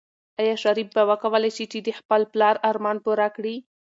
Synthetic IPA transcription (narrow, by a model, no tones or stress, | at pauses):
ajɑʃaɾib̚bawəkawəlajʃit͡ʃid̪əxpəlplɑɾaɾmɑnpuɾakɽi